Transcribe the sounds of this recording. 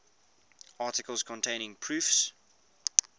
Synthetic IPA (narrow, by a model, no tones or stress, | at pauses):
ɑˑtɪkəlˠz̥kʰɔ̃ntʰẽɪ̃nɪ̃ŋpʰɹ̥ʉːˑfs